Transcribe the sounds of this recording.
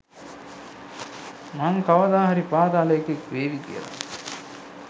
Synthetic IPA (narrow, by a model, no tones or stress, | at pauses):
maŋkɐʋɐd̪aːɦɐɾipaːd̪aːlɐjkekʋeːʋikḭjɐ̰la̰